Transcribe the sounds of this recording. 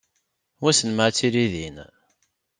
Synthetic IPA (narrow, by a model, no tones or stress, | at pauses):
wæsənməʕt͡sːiɾiðin